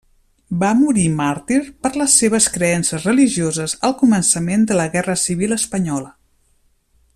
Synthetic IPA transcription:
bamuɾimaɾt̪iɾpəɾləsːeβ̞əskɾəɛnsəzrəliʒiozəzəlˠkumənsəmend̪ələɣɛrəsiβ̞ilˠəspəɲɔlə

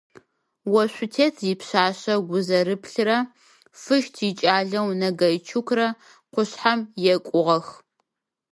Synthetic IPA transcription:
wɐɕʷʊtʰeːtʰjɪpɕaːɕɐɡʷʊzɐɾɨpʰɬɨɾɐ | fɨʃtʰit͡ʃʼaːɮɐwnɐɡɐjt͡ʃʰukʷʰɾɐ | qʷʊɕħamjɛkʷʼʊʁɐx

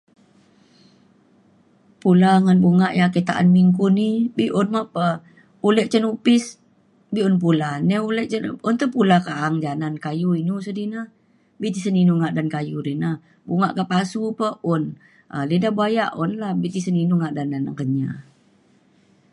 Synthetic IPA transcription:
pulaŋanbuŋaʔjakət̪a̰ʔa̰nmiŋkunibiʔʊnmaʔpə | ulɛʔt͡ʃənupɪs | biʔunp̬ulanɛulɛʔt͡ʃəʊnt̪əpulakaʔaŋd͡ʒanankajuinusədina | bit̪isəninuŋaʔdankajuɾinah | buŋaʔkəpasupəʊn | ʔə̰lidabajaʔunlahbit̪isəninuŋaʔdandana̰ŋkəɲa

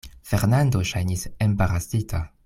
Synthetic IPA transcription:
feɾnand̪oʃajnisembaɾasitʰa

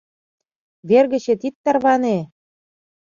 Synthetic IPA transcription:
βerɣə̆t͡ɕĕt̪it̪ːɑrβɑne

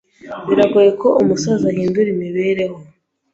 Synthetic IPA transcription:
βiɾaɡuje̞kʰo̞ʔumusazahiːnduɾimiβe̞ːɾe̞ho̞

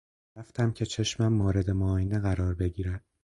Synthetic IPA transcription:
ɾæft̪ʰæmcʰe̞t͡ʃʰe̞ʃmæmːɒːɾe̞d̪e̞moːjeneɣæɾɒːɾbe̞ɟiːɾæd̪̥

